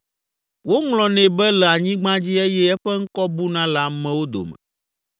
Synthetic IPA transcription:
wo˦ŋlɔ̃˨nɛ̃˨bɛ˦lɛ˨a˨ɲĩ˦ɡ͡bã˦d͡ʑi˦ɛ˦jɛ˦ɛ˦ɸɛ˦ŋ̩˦kɔ˦bu˦nã˦la˨mɛ̃˨wo˦d̪o̰˨mɛ̰˨

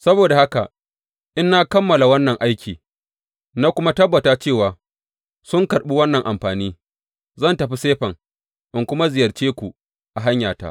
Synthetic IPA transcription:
sɐ˦boː˨da˨ha˦ka̰˨ | ʔɪ˦nːa˦kɐ˦mːɐ˨la˨wɐ˦nːɐ˨ŋʔa˦jkʲʰiː˨ | na˦kʷʊ˦ma˦tɐ˦bːɐ˨taː˦t͡ʃeː˦˨waː˨ | sʊ˦ŋkɐ˨ɾɓi˦wɐ˦nːɐ˨ŋʔa˨mɸaː˨niː˦ | zɐ˦˨ntɐ˨ɸi˦seː˦ɸɐ˨ŋ | ʔɪ˨ŋkʷʊ˦ma˦zɪ˨jɐ˨rt͡ʃeː˦kʷu˨ | ʔa˨ɦa˦ɲjaː˨ta̰˦ʔ

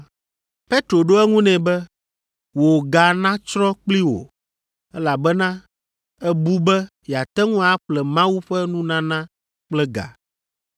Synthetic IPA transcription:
pe˦t̪ɾo˨ɖo˦ɛ˦ŋũ˦nɛ̃˨bɛ˦ | wo˨ɡa˨nã˦t͡ʃɾɔ˦k͡pli˦wo̰˨ | ɛ˦la˨bɛ˦nã˦ | ɛ˦bu˦bɛ˦ | jɛ˨a˨t̪ɛ˦ŋũ˦a˦ɸlɛ˨mã˦wu˦ɸɛ˦nũ˦nã˦nã˦ | k͡plɛ˦ɡa̰˨

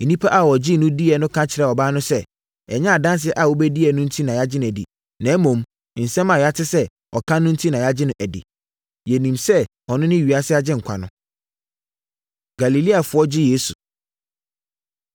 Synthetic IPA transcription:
nĩ˦pʰa˦ʔa˦˨wɔ˨d͡ʑɪ˦nʊ̃˦di˦ɛ˨nʊ̃˦kʰã˦t͡ɕʰɪ˨ɾɛ˨ɔ˨baː˦nʊ̃˦sɛ˦ | ɛ˨ɲã˦a˨dã˦ns̬ɪ˨ɛ˦ʔa˨wo˦bɛ˦di˦ɛ˨˦nʊ̃˦n̩˦tʰi˦nã˨ja˦d͡ʑɪ˦nʊ̃˨æ˨di˨ | nã˨˦mõ˨m˨ | n̩˨sɛ̃˦mã˨ja˦tʰɪ˦sɛ˦ | ɔ˨kʰã˦nʊ̃˦n̩˦tʰi˦nã˨ja˦d͡ʑɪ˦nʊ̃˨ʔæ˨dɪ̰˨ | jɛ˨nĩ˨msɛ˦ | ɔ˨nʊ̃˦nɪ̃˦ɥi˨a˦sɪ˦a˦d͡ʑɪ̃˦ŋ̩˨kʷʰa̰˨nʊ̰̃˦ | ɡ̥a˨li˨li˦a˨fʊ˨˦ɔ˦d͡ʑɪ˦jeː˦su˨

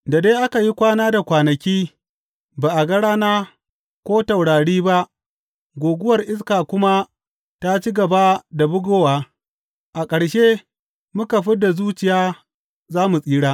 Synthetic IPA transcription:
da˨deː˦ʔa˦ka˨ji˦kʷaː˦naː˦da˨kʷaː˨nɐ˨kʲiː˦ | baː˨ʔa˨ɡɐ˦ɽaː˦naː˦ | kʷoː˦ta˨wɽaː˨ɽiː˦ba˦ʔ | ɡʷoː˨ɡʷʊ˦wɐ˨rʔɪ˦s̬kaː˨kʷʊ˦ma˦ | ta˦t͡ʃi˦ɡɐ˨ba˦da˨bʊ˦ɡoː˦waː˦ | ʔa˨kʼɐ˨ɽʃe˦ | mʊ˦ka˨ɸɪ˦da˨zuː˦t͡ʃɪ˨jaː˦ | zaː˦mu˨sʼiː˦ɽaː˦

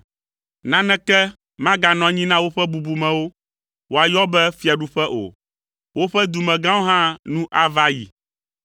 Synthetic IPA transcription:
nã˦nɛ̃˦kɛ˦ | mã˦ɡa˨nɔ̃˨ɲĩ˦nã˦wo˦ɸɛ˦bu˨bu˨mɛ̃˨wo˦ | wo˦a˨jɔ˦bɛ˦fi˦a˨ɖu˦ɸɛ˦ʔo̰˨ | wo˦ɸɛ˦d̪u˨mɛ̃˨ɡã˦wo˦ɦã˦nũ˦ʔa˦va˦jḭ˨

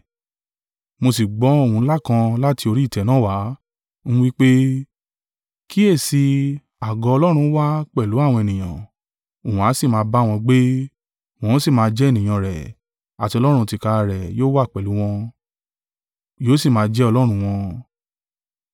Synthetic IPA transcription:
mo˧si˨ɡ͡bɔ˨˦o˦˨ũ˧˦la˦kã˧la˦ti˧o˧ɾi˦˨tɛ˨˦nãː˨˦wa˨˦ | ñ̩˦wi˦k͡pe˦ | ki˦e˦˨si˧ | a˨ɡɔ˧ɔ˧lɔ˦ɾ̃ũ˧˦wa˦k͡pɛ˦˨lu˨˦a˦˨w̃ɔ̃˧e˨nĩ˨j̃ã̰˨ | o˨ũ˨a˨˦si˦˨mãː˧˦ba˦˨w̃ɔ̃˧ɡ͡be˦ | w̃ɔ̃˨˦si˦˨mãː˧d͡ʒɛ˦˨nĩ˨j̃ã˨ɾɛ̰˨ | a˨ti˧ɔ˧lɔ˦ɾ̃ũ˧ti˧˨ka˧a˧ɾɛ˨joː˦wa˦˨k͡pɛ˨lu˨˦w̃ɔ̃˧ | joː˦si˦˨mãː˨˦˧d͡ʒɛ˦ɔ˧lɔ˦ɾ̃ũ˧w̃ɔ̃˧

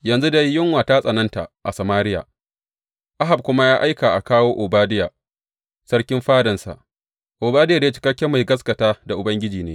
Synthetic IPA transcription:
jɐ˨nzu˦da˦jːɪ˦ŋwaː˨taː˦sʼɐ˨nɐ˦nta̰˨ʔʔa̰˨sa˨maː˦ɾɪ˦ja̰ː˨ | ʔa˦ɦa˨b̚kʷʊ˦ma˦jaː˦ʔa˦jkaː˨ʔa˨kaː˦woː˦ʔʊ˨baː˦dɪ˦ja˨ | sɐ˦ɽkʲɪ˦mɸaː˦dɐ˨nsa̰˨ʔ | ʔʊ˨baː˦dɪ˦jaː˨da˦t͡ʃɪ̥˦kɐ˦kʲːɛ˦ma˨jɡɐ˦s̬kɐ˨taː˦da˨ʔʊ˨bɐ˦ŋɡʲɪ˦d͡ʒiː˨neː˦

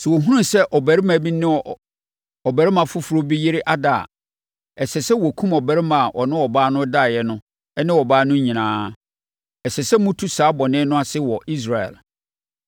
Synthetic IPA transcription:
sɪ˨wo˨ɦũ˦ũ˦sɛ˦ʔɔ˨bæ˨ɾi˦mã˨bi˦nɪ̃˦ɔ˨ | ɔ˨bæ˨ɾɪ˦mã˨fʊ˦fu˨ɾo˦bi˦jɪ˦ɾɪ˦ʔa˦da̰ː˦˨ | ɛ˨sɛ˨sɛ˦wɔ˨kʰũ˦mɔ˨bæ˨ɾɪ˦mã˨a˨ʔɔ˨nɪ̃˦ɔ˨baː˦nʊ̃˦da˦˨jɛ˦nʊ̃˦ | ɛ˦nɪ̃˦wɔ˨baː˦nʊ̃˦ɲĩ˨nãː˨˦ | ɛ˨sɛ˨sɛ˦mʊ̃˦tʰu˦saː˨˦bɔ˨nɪ̃˦nʊ̃˦a˦sɪ˦wɔ˨ʔi˦s̬ɾa˨ɛ̰˨l

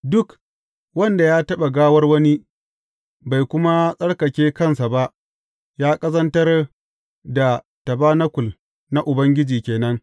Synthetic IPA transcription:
dʊ˦k | wɐ˦nda˨jaː˦tɐ˦ɓa˨ɡaː˦wɐ˦rwɐ˦ni˦ | ba˨jkʷʊ˦ma˦sʼɐ˦ɽkɐ˨kʲeː˦kɐ˦˨nsa˨ba˦ʔ | jaː˦kʼɐ˦zɐ˦ntɐ˦r | da˨ | tɐ˨baː˦nɐ˦kʷʊ˨l | na˦ʔʊ˨bɐ˦ŋɡʲɪ˦d͡ʒiː˨kʲeː˨nɐ˦ŋ

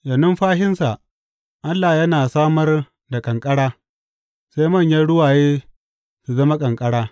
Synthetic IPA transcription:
jɐ˨nʊ˦mɸaː˦ɦɪ˦nsa˨ʔ | ʔa˦lːa˨jɐ˦naː˨saː˦mɐ˦r | da˨kʼɐ˨ŋkʼɐ˦ɽaː˦ | sa˦jmɐ˦˨ɲjaː˦ɽʊ˦waː˨jeː˦ | su˨zɐ˦ma˦kʼɐ˨ŋkʼɐ˦ɽaː˦

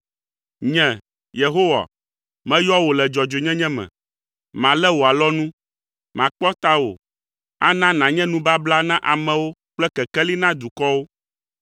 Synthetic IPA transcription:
ɲɛ̃˨ | je˨ɦo˦wa̰˨ | mɛ̃˦jɔ˦wo˨lɛ˨d͡ʒɔ˨d͡ʒo˨ɲɛ̃˦ɲɛ̃˦mɛ̰̃˨ | mã˨lɛ˦wo˨a˨lɔ˦nũ˦ | mã˨k͡pɔ˦t̪a˦wo̰˨ | a̰˦nã˦nã˨ɲɛ̃˦nũ˦ba˦bla˦nã˦ʔa˨mɛ̃˨wo˦k͡plɛ˦kɛ˨kɛ˦li˦nã˦d̪u˨kɔ˦wo˦

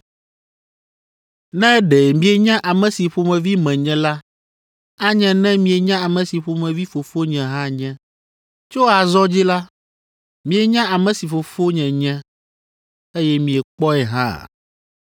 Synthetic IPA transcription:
nɛ̃˦ɖɛ˨mĩ˦e˨ɲã˦ʔa˨mɛ̃˨si˨ɸo˨mɛ̃˨vi˦mɛ̃˨ɲɛ̃˦la˦ | a˦ɲɛ̃˦nɛ̃˦mĩ˨ɛ˨ɲã˦a˨mɛ̃˨si˨ɸo˨mɛ̃˨vi˦fo˨fo˦ɲɛ̃˨ɦã˦ɲɛ̃˦ | t͡ʃo˦a˨zɔ˦d͡ʑi˦la˦ | mĩ˨e˨ɲã˦ʔa˨mɛ̃˨si˨fo˨fo˦ɲɛ̃˨ɲɛ̃˦ | e˦jɛ˦mĩ˨ɛ˨k͡pɔ˦ɛ˨ɦã̰˦˨

